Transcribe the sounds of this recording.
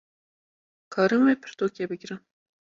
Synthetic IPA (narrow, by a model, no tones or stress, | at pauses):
kʰɑːɾɨmwepʰəɾt̪okʲebəɡʲiɾə